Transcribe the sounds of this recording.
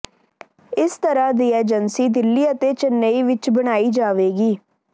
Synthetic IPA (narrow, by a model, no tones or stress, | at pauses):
ɪst̪əɾaːd̪iːeːd͡ʒənsiːd̪ɪlːiːət̪eːt͡ʃnəiːʋɪt͡ʃbəɽ̃aːiːd͡ʒaːʋeːɡiː